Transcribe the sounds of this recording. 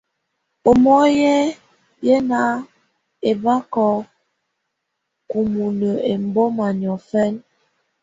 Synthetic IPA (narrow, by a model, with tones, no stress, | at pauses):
o˨mɔ˦jɛ˦ | jɛ˦na˨˦ | e˨ba˦kɔ˦ | ku˨mu˨nə˨e˨m˨bɔ˦ma˨ɲɔ˨fɛ˦n